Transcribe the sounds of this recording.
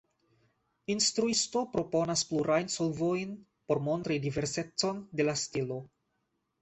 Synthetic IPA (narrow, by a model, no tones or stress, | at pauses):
inst̪ɾuisto̞pɾo̞po̞naspluɾʔajnsolvojn | po̞ɾmo̞nt̪ɾidive̞ɾse̞t͡so̞nde̞lastilo̞